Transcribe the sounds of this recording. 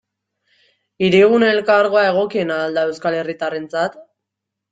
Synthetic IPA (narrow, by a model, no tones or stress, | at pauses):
iɾiɣ̞uneelkaɾɣo̞ae̞ɣ̞o̞kie̞naːld̪ae̞wskale̞rit̪are̞nt͡sat̪